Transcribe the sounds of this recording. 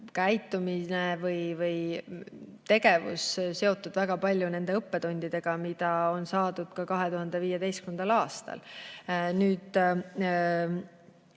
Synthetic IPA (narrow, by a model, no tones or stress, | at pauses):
kæjt̪ːˑuminevɯjvɯj | t̪e̞ɡe̞vṵsse̞ot̪ːˑud̪væɡ̥ɑpɑlʲjune̞nd̪̥e̞ɤpːe̞t̪o̞nʲd̪̥id̪e̞ɡ̥ɑmid̪̥ɑo̞nsɑːd̪̥ud̪̥kɑkɑɦe̞t̪uɦɑnd̪̥e̞viːje̞d̪e̞jskymend̪̥ɑlɑːst̪ɑ̰l | nyːd̪